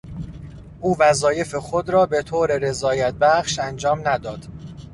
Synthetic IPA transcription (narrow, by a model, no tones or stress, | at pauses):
ʔuːvæzɒːje̞fexod̪ɾɒːbe̞t̪ʰoːɾeɾe̞zɒːjæt̪̚bæχʃænd͡ʒɒːmnæd̪ɒːd̪̥